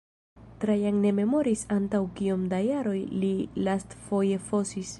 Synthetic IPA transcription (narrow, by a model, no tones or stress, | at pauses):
tɾajaŋne̞me̞mo̞ɾisantawkiomdajaɾo̞jlilastfo̞je̞fo̞sis